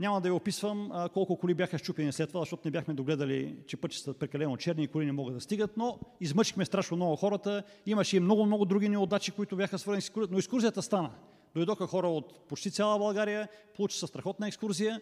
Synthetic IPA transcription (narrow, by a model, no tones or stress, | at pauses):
ɲʲamɐd̪ɐviopisvəmkɔlˠkʊkʊlibʲjaxəʃt͡ʃupɛnislɛt̪ːovazɐʃt̪ɔt̪ʊnɛbʲjaxmɛd̪oɡlɛd̪ɐlḭt͡ʃɛpɤt͡ʃi̥səpɾɛkɐlɛnot͡ʃɛɾniːkʊlinɛmɔɡəd̪ɐst̪iɡət̪noizmɤt͡ʃixmɛst̪ɾaʃnomnɔɡʊxɔɾət̪ə | imɐʃɛimnɔɡʊmnɔɡʊd̪ɾuɡiniod̪at͡ʃikoit̪ʊbʲjaxəsvɤɾzɛnisikuɾnoɛkskuɾzijət̪əst̪anə | d̪ojd̪ɔkəxɔɾəot̪pot͡ʃt̪it̪sʲjalˠəbɐlˠɡaɾijəpolˠut͡ʃi̥səst̪ɾɐxɔt̪nɐɛkskuɾzijə